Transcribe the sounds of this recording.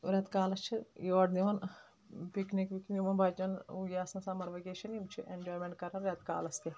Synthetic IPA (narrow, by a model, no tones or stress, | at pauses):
ɾʲɐt̪kaːlɐst͡ʃʰijoɐʈniʋɐn | piknikʋikniʋɐnbaːd͡ʒɐnuɡʲaːsɐnsaːmɐɾʋɐɡʲeːʃɐnimt͡ʃʰiʔend͡ʒoːjmʲeɳʈkɐɾɐnɾʲɐt̪ka̰ːlɐst̪i